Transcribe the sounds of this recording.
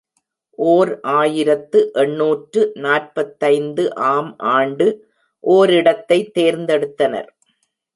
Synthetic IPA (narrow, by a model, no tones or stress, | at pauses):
ʔoːɾʔaːjɪɾɐt̪ːɯʔɛɳːuːʈrɯnaːrpɐt̪ːɐɪnd̪ɯʔaːmʔaːɳɖɯ | ʔoːɾɪɽɐt̪ːɐɪt̪ːeːɾnd̪ɛɽɯt̪ːɐnɐ̰ɾ